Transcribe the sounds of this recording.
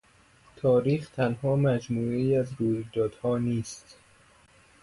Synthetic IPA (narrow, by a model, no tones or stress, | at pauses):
t̪ʰɒːɾiːxt̪ʰænhɒːmæd͡ʒmuːeiːæzɾuːjd̪ɒːd̪̥hɒːniːst̪